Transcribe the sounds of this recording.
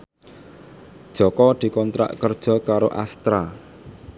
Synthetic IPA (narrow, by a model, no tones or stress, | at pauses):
d̥ʒ̥ɔ̤kɔd̪̥i̤kɔnt̪ɾa̰ʔkərd̥ʒ̥ɔ̤kaɾoʔast̪ɾa